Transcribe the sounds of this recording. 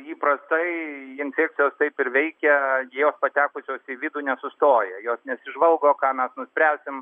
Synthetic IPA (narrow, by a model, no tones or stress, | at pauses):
iːprɐst̪ɐɪɪnʲfʲæːk̚t̪t͡s̪sʲɪjoːst̪ɐɪpɪɾʋʲɛɪkʲɛjijoːspɐt̪ʲæːkʊsʲoːsiʋʲɪd̪uːnʲɛsʊst̪oːjɛjoːsnʲɛsʲɪʒʋɐlˠɡoːkɑːmʲɛsnʊsʲpʲɾʲæːsʲɪm